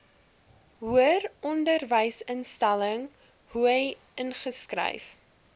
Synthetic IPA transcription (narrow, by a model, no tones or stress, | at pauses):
ɦuərɔndərvəjsənstæləŋ | huɦəj | ənχəskrə̰jf